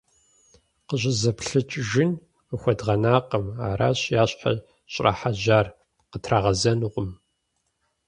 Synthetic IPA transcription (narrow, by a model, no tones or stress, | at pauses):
qəʑʼɪzɐpɬɨt͡ʃʼʒɪn | əxʷɔdʁɐnaːqəma̰ːɾa̰ːɕjaːɕʼħa̰ | ɕʼra̰ħaʒaːr | qətʰraːʁɐzɐnuʁʷʊm